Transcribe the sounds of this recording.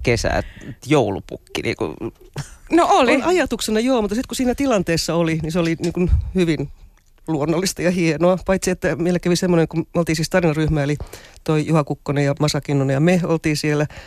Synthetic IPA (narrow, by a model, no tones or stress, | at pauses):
kesæ̰t̪joulupṵkːinḭːkṵ | noʔolinʔɑjɑt̪uksenɑjoːmut̪ːˑɑsit̪kusiːnæt̪ilɑnt̪eːsːɑoliniseoliniːŋkunhyʋin | luonːolːist̪ɑjɑhienoɑpɑit̪siet̪ːæmielːækæʋisemːoneŋkumolt̪iːnsiːst̪ɑrinɑryhmæelit̪oijuhɑkukːonejɑmɑsɑkinːunɑjɑmeo̰lt̪iːsielːæ